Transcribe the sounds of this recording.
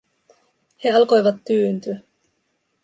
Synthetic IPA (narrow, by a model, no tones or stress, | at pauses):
he̞ɑlko̞jʋɑt̪ːyːnt̪y